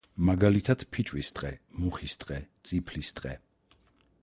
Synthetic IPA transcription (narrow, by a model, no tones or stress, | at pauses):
maɡalit̪ʰad̪̥pʰit͡ʃʼwisd̪ʼqʼɛmuχisd̪ʼqʼɛt̪sʼipʰlist̪ʼqʼɛ̰